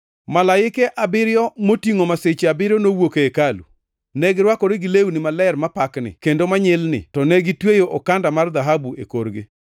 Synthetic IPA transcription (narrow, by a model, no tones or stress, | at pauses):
malaɪkɛʔabɪɾjɔmotiŋomaset͡ʃeabɪɾjɔnowokeekalṵ | nɛɡɪɾwakɔɾeɡɪleunɪmalɛrmapaknɪ̰kendomaɲɛlnɪ̰tɔnɛɡɪtwejoʔokandamard̪aɦabuʔḛkoɾɡɪ̰